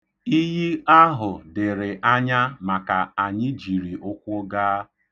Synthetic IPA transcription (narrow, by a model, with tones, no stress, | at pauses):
i˦ɦi˦a˦ɦʊ˨dɪ˨ɾɪ˨ʔa˦ɲa˦ma˨ka˨a˨ɲɪ˦d͡ʒi˨ɾi˨ʔʊ˦kʷo˦ɡaː˦